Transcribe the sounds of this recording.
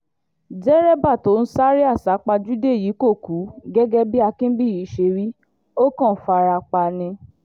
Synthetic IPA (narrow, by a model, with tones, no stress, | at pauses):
d͡ʒɛ˦ɾɛ˦ba˦˨to˨˦n̩˦sa˦ɾi˦a˦˨sa˨˦k͡pa˧d͡ʒu˦de˦˨ji˨˦ko˦˨ku˨˦ɡɛ˦ɡɛ˦bi˦a˧kĩ˦bi˦˨ji˨˦ʃe˧ɾi˦ | o˦kɔ̃˦˨˦fa˧ɾa˧k͡pa˧nĩ˧